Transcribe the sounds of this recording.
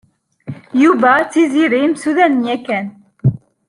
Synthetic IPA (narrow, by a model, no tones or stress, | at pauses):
juvæt͡sːiziɾimsuðænnjækæn